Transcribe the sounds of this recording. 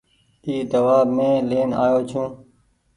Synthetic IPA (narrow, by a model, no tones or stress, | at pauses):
iːd̪əʋaːbmẽːleːna̰ːjoːt͡ʃʰũː